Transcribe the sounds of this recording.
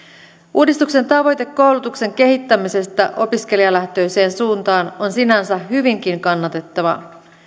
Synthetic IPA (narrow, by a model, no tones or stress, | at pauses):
ʔuːdist̪ukse̞nt̪ɑʋo̞jt̪e̞kːo̞wlut̪ukse̞ŋk̟e̞ɦit̪ːæmise̞st̪æʔo̞pisk̟e̞liɑlæht̪ø̞jse̞ːnsuːnt̪ɑːno̞nsinænsæɦyʋiŋk̟iŋkɑnːɑt̪e̞t̪ːɑʋɑ̰